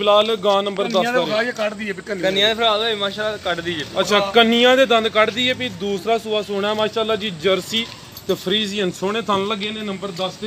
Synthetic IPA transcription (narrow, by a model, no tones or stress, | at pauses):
laːlɡãːnəmbəɾd̪ə̃ːaːkəɖd̪iːɛpikənkənɪjãːd̪eːpʰəlaːlaːemãːʃaːlakəɖd̪iːeːətːt͡ʃʰaːkənːɪjãːd̪eːd̪ə̃nd̪kəɖd̪iːeːpiːd̪uːsɾaːsʊaːsʊɽ̃aːmãːʃaːlːaːd͡ʒiːd͡ʒəɾsiː | t̪eːpʰəɾiːzijənsʊɽ̃eːt̪ʰanləɡẽːneːnəmbəɾd̪əst̪e